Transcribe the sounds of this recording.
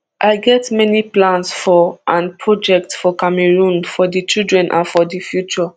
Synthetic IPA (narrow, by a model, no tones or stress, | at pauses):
ʔaɪɡɛtmɛniplãnsfɔʔãnpʰɹɔd͡ʒɛk̚tfɔkameɹũnfɔdit͡ʃildɹɛ̃nʔã̰nfɔdifjut͡ʃɔ